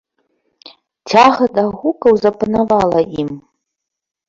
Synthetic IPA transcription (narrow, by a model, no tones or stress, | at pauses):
t͡sʲʰaɣɐd̪aɣukɐwzɐpanavalˠɐʔim